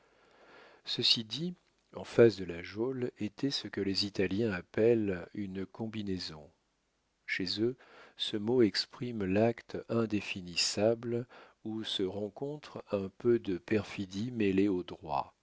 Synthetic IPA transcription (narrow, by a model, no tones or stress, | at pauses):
səsid̪i | ɑ̃fasd̪əlaʒolet̪ʰɛsəkəlezit̪aljɛ̃apɛlynkɔ̃binezɔ̃ | ʃezøsəmoɛkspχimlakt̪ɛ̃d̪efinisablusəʁɑ̃kɔ̃t̪χɛ̃pød̪əpɛʁfid̪imeleod̪ʁwa̰